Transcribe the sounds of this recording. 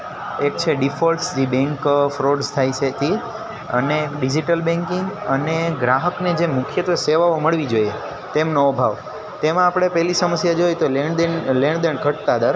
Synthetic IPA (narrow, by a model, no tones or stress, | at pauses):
ek̚t͡ʃʰeɖifolsd͡ʒibɛ̃ŋkfɾoɖst̪ʰajt͡ʃʰet̪ʰi | əneɖid͡ʒiʈəlbɛ̃ŋkiŋɡəneɡɾaɦəkned͡ʒemʊkʰjət̪ʋəseʋaoməɭʋid͡ʒoje | t̪emnoːbʱaʋ | t̪emãːpɽ̃epɛɦlisəməsjad͡ʒojt̪oleɳd̪enleɳd̪eɳɡʱəʈ̚t̪ad̪əɾ